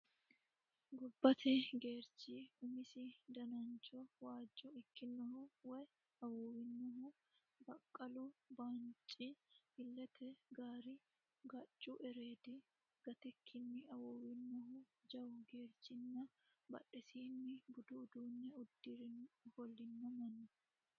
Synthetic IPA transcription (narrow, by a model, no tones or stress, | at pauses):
ɡʊbːɐt̪ɛɡe̞ːɾt͡ʃiʊmɪsɪd̪ɐnɐnt͡ʃʼɔwaːd͡ʒːɔɪkːɪnːɔhʊwɛ | ɐwoːwɪnːɔɦʊ | bɐkʼːɐlʊbaːnt͡ʃʼːihɪlːɛt̪ʰɛɡaːɾi | ɡɐt͡ʃʼːuʔɛɾeːd̪i | ɡ̥ɐt̪ɛkʰːɪnːɪɐwoːwɪnːɔɦʊ | d͡ʒɐwʊɡe̞ːɾt͡ʃɪnːɐ | bɐ̰ᶑɛsiːnːɪbʊd̪uːd̪uːnːɛʊd̪ːɪɾhɔlːɪnːɐmɐnʊ